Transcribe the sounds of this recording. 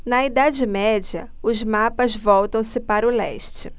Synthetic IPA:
nɐid̪ad͡ʒɪmɛd͡ʒɐ̰ | ʊzmapɐzvɔwt̪ɐ̃w̃sɪpaɾʊlɛ̰ʃt͡ʃɪ

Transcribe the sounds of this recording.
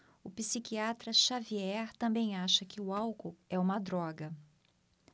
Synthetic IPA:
ʊpisikiat̪ɾɐʃaviɛɾt̪ɐ̃mbẽj̃aʃɐkɪʊawkoɛũmɐd̪ɾɔɡɐ

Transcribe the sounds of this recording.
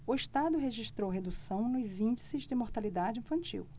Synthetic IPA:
ʊeʃt̪ad̪ʊɦeʒiʃt̪ɾowɦed̪usɐ̃w̃nʊzĩnd͡ʒisɪzd͡ʒɪmoɾt̪alid̪ad͡ʒɪĩfɐ̃nt͡ʃḭw

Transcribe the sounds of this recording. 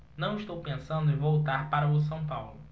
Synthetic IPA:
nɐ̃w̃ɪʃt̪owpẽsɐ̃nd̪ʊẽvowt̪aɾpaɾɐʊs̬ɐ̃w̃pawlʊ

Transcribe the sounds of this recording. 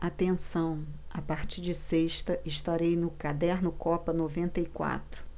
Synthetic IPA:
at̪ẽsɐ̃w̃apaɾt͡ʃiɾd͡ʒɪseʃt̪ɐʔɪʃt̪aɾejnʊkad̪ɛɾnʊkɔpɐnovẽnt̪ɐikwa̰t̪ɾʊ̥

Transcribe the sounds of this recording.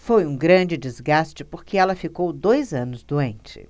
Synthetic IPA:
fojũɡɾɐ̃d͡ʒɪd͡ʒɪzɡast͡ʃɪpoɾkɪɛlɐfikowd̪ojzɐ̃nʊzd̪uẽnt͡ʃɪ̰

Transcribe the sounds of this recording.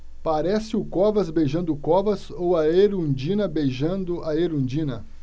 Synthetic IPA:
paɾɛsɪʊkɔvɐzbejʒɐ̃nd̪ʊkɔvɐz | owɐeɾũd͡ʒĩnɐbejʒɐ̃nd̪ʊʔɐeɾũd͡ʒĩnɐ

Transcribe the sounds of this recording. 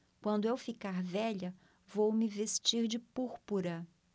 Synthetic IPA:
kwɐ̃nd̪ʊewfikaɾvɛʎɐ | vowmɪvest͡ʃiɾd͡ʒɪpuɾpuɾɐ

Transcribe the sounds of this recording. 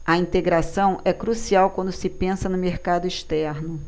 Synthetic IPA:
ɐĩnt̪eɡɾasɐ̃w̃ʔɛkɾusiawkwɐ̃nd̪ʊsɪpẽsɐnʊmeɾkad̪ʊiʃt̪ɛɾnʊ

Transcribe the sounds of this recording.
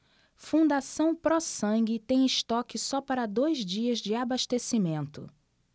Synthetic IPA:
fũnd̪asɐ̃w̃pɾɔsɐ̃ŋɡɪt̪ẽj̃ɪst̪ɔkɪsɔpaɾɐd̪ojzd͡ʒiɐzd͡ʒɪabaʃt̪esimẽnt̪ʊ̰

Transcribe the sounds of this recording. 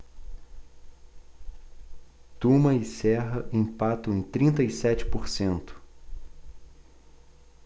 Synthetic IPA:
t̪umɐɪsɛɦɐʔẽpat̪ɐ̃ẽj̃t̪ɾĩnt̪ɐisɛt͡ʃɪ̥poɾsẽnt̪ʊ̥

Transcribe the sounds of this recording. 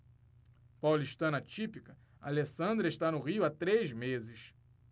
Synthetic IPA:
pawliʃt̪ɐ̃nɐt͡ʃipikɐ | a̰lesɐ̃nd̪ɾeʃt̪anʊʁiʊat̪ɾezmezɪʃ

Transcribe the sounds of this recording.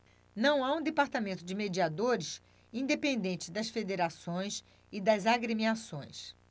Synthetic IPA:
nɐ̃w̃aũd̪epaɾt̪amẽnt̪ʊd͡ʒɪmed͡ʒiad̪oɾɪs | ĩd̪epẽnd̪ẽnt͡ʃɪd̪ɐsfed̪eɾasõj̃s | ɪd̪ɐzaɡɾemiasõj̃s

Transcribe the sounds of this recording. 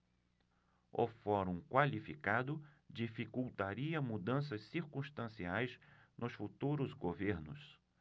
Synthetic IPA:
ʊ̰fɔɾũkwalifikad̪ʊ | d͡ʒifikuwt̪aɾiɐmud̪ɐ̃s̬ɐsːiɾkũst̪ɐ̃siajznʊsfut̪uɾʊzɡoveɾnʊ̰s

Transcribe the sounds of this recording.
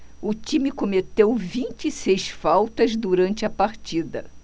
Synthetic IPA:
ʊt͡ʃĩmɪkomet̪ewvĩnt͡ʃɪisejsfawt̪ɐzd̪uɾɐ̃nt͡ʃɪɐpaɾt͡ʃid̪ɐ

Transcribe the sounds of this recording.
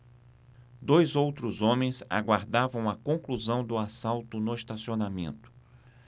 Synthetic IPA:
d̪ojzowt̪ɾʊzõmẽj̃za̰ɡwaɾd̪avɐ̃w̃ɐkõŋkluzɐ̃w̃d̪ʊasawt̪ʊnʊɪst̪asionamḛ̃nt̪ʊ̥

